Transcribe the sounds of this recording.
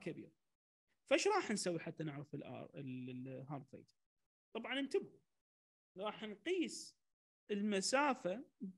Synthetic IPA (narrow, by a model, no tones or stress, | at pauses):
kabḭːɾ | faʔɪʃɾˤɑːħnsawːiħat̪ːanɪʕɾafɪlʔɑ̰ɾɪɦɑːɾd̪fḛːt̪ʰ | t̪ˤɑbʕɑnɪnt̪abu | ɾˤɑːħnqiːs | əlmasaːfa